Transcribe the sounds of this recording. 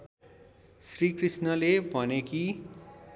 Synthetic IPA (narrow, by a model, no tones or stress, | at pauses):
srikrisnʌlebʱʌneki